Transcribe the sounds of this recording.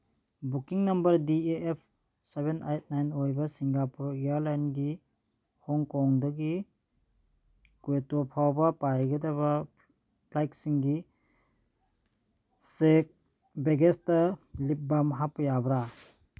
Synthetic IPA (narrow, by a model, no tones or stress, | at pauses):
bukiŋnɐmbɐɾdieepʰ | seβenajt̚najnojbɐsiŋɡapuɾijaɾlajnɡi | hɔŋkɔŋdɐɡi | kuetopʰawbɐpajɡedaβa | pʰlajk̚siŋɡi | sek̚ | beɡestɐlip̚bamɦapːɐjabɾa